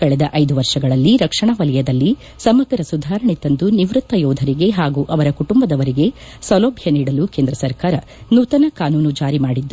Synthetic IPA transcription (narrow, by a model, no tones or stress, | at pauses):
kɐɭɛd̪ɐʔɐjd̪uʋɐɾʂɐɡɐɭɐlːiɾɐkʂɐɳɐʋɐlɛjɐd̪ɐlːi | sɐmɐɡɐɾɐsud̪ʱaːɾɐɳit̪ɐnd̪uniʋɾut̪ːɐjɔːd̪ʱɐɾiɡe̞ɦaːɡuʔɐʋɐɾɐkuʈumbɐd̪ɐʋɐɾiɡe̞ | sɐloːbʱjɐniːɽɐlukeːnd̪ɾɐsɐɾkaːɾɐ | nuːt̪ɐnɐkaːnuːnud͡ʒaːɾimaːɽid̪ːu